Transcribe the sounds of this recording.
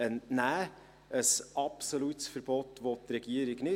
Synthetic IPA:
ənnæː | əsɑpsolutsfəɾb̥ɔtʋot̪ɾɛɡiəɾiɡnɪ

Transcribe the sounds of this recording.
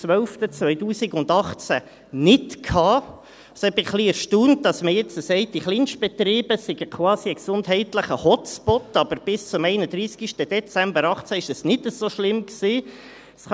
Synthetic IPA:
ʋœlftət͡sʋœʏtuːsiɡʊndɑχt͡sæ | nɪtkʰɑː | sɛb̥ɪχχliɛɾʃtuːnt̚d̥ɑsməjɛt͡səsɛɪt̚d̥iχlinʃb̥ɛt̪riːbəsɪɡ̥əkʰwɑːsiəksʊndɦɛɪtləχəhɔt͡spɔt̪ːɑb̥əɾb̥ɪst͡sʊmɛɪnəd̪ɾiːskiʃtəd̥ɛt͡sɛmbəɾɑχt͡sæɪʃɛsnɪtəzoʃlɪmksiː | sχ

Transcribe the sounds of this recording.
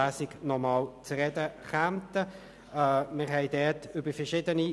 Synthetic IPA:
æːsɪɡ̥nɔmɑːlt͡sʁɛdəχæmt̪əː | mɪʁɦɛɪdɛtʏbəfɛʁʃɪdəni

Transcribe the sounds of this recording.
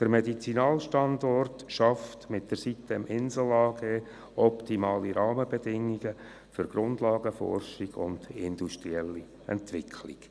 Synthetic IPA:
d̪̥əɾmɛdit͡sinɑːlʃtɑndɔrtʃɑftmɪt̚d̥əɾsit̪ːəmʔɪnsl̩ɑːɡeː | ɔptimɑːliɾɑːməbɛdɪŋːiɡə | fʏɾɡ̥ɾʊndlɑːɡəfɔ̰rʃiɡ̥ʊ̰nd̥ɪnd̪uʃt̪riɛlːi | ɛ̰nt̪ʋɪkʰlɪɡ̥

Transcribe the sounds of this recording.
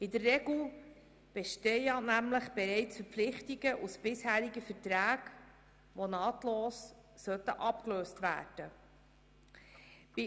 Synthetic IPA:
ɪdərːɛɡl̩ | b̥ɛʃtɛjɑnæmləχb̥ɛɾɛɪt͡sfəɾflɪχtiɡəʔusb̥ɪshæːɾiɡəfətɾæːɡ | ʋonɑːtloːs | sœt̪əʔɑpkløːstʋæ̰ːd̥ə | bi

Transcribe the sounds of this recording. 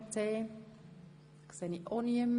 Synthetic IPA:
t͡seː | kseniʔoniəmː

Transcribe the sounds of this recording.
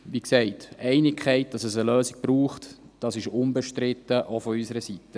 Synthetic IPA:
ʋiːksɛɪtɛɪnɪkχɛɪt̚d̥ɑsɛsəløːsɪɡ̥̚b̥ɾuːχt | d̥ɑsɪʃʊnbəʃtɾɪtːəʔofɔysəɾəsitːə

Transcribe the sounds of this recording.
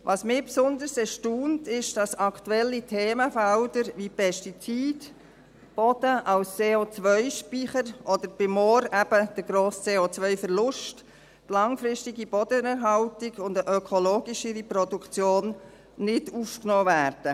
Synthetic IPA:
ʋʔɑːsmɪːpsʊnd̪əɾsɛʃtuːntɪʃd̥ɑsɑkʰtuɛlːitʰeːməfældəɾʋipʰɛʃtit͡siːd | b̥ɔd̥əʔɑwst͡seːot͡sʋœʏʃpiχəɾʔɔd̪əɾb̥ɪmɔːɾæb̥əd̥əɡɾoːst͡seːot͡sʋœʏfəɾlʊʃt | tlɑŋfɾɪʃtɪɡib̥ɔd̥ənɛɾɦɑltiɡʊndəʔœkʰɔloːɡiʃəɾipɾɔdukt͡sjoːnː | ɪdufknɔːvæːɾd̥ə

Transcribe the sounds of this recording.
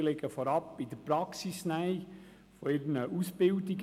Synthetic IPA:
leɡəfɔɾɑpɪd̥əpɾɑksisnaɪ | fɔɪɾnəʔusb̥ɪldɪɡ

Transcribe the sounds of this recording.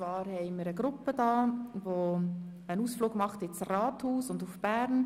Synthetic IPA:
vɑːɾhɛɪməɾəɡɾʊpːəd̥ɑːvo | ənuːsfluːɡmɑχt̪ɪt͡srɑːthuːsʊndufb̥æːɾn

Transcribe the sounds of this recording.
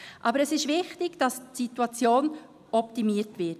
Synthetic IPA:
ʔɑbəɾɛsɪʃvɪχtɪɡ̥d̥ɑstsituɑt͡sjoːn | ɔp̚timiətvɪt

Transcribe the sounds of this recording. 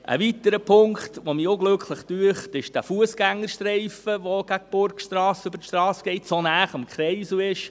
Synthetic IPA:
ʔə̰ʋit̪əɾəpʰʊŋktʋomiʊɡlɵkʰχləχtyəχtɪʃd̥æfuəsɡ̥æŋːəɾʃtrɛɪfəʋoɡ̥æk̚b̥ʊɾkʃtɾɑːsøbəɾtʃtɾɑːsɡ̥ɛɪtsonæːχɑmkʰχɾɛɪsuɪʃ

